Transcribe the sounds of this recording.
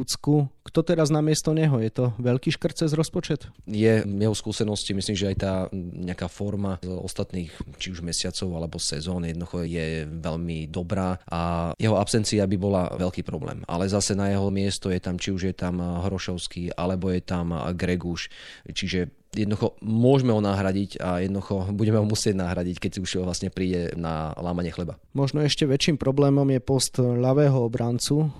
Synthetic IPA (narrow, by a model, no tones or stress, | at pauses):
ut͡skukt̪ɔt̪ɛɾaznamɪɛst̪ɔɲɛɦɔjɛt̪ɔʋɛʎkiːʃkr̩t̪̚t͡sɛzɾɔspɔt͡ʃɛt̪jɛjɛɦɔskuːsɛnɔscimisliːmʒɛajt̪aːɲɛakaːfɔɾmazɔ̰st̪at̪niːxt͡ʃiuʒmɛsɪat͡sɔʊalɛbɔsɛzɔːnjɛd̪nɔd̪uxɔjɛʋɛʎmid̪ɔbɾaːʔajɛɦɔapsɛnt͡siabibɔla̰ʋɛlkiːpɾɔblɛ̰ːma̰lɛzasɛnajɛɦɔmɪɛst̪ɔjɛt̪amt͡ʃiuʒjɛt̪amɦɾɔʃɔʊskiːa̰lɛbɔjɛt̪amɡɾɛɡuʃt͡ʃiʒɛ | jɛd̪nd̪uxɔmʊɔʒmɛɦɔnaːɦɾaɟicajɛd̪nɔd̪uxɔbuɟɛmɛɦɔmusɪɛɟnaɦɾaɟickɛcsiuʃʋlasɲɛpɾiːɟɛna̰laːmaɲɪɛxlɛba | mɔʒnɔɛʃcɛʋɛt͡ʃiːmpɾɔblɛːmɔmjɛpɔst̪ʎaʋɛːɦɔɔbɾant͡su